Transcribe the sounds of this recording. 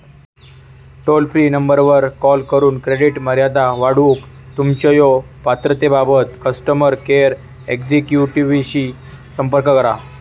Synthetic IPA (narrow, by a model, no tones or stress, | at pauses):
ʈolpɾiːnəmbəɾʋəɾkɔlkəɾuːnkɾeɽiʈməɾjad̪aʋaɽuk | t̪umt͡ɕəjo | pat̪ɾət̪ebabət̪kəsʈəməɾkeɾ | ekd͡ʑekjuʈiʋiɕi | səmpəɾkəkəɾa